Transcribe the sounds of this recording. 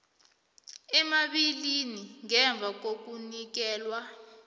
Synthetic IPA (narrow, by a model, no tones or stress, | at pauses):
ɛmaɓiliniŋɛɱb̪vʱak̬ok̬unik̬ɛːlwa